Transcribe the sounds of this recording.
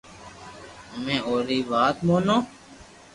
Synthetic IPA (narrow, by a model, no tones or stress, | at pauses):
mɛ̃ːoːɾiːbaːt̪mõːnõː